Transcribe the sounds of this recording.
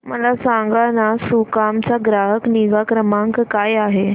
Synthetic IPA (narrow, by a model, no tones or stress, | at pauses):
məlasaŋɡanasukamt͡saɡɾaɦəkniɡakɾəmaŋkkajaɦe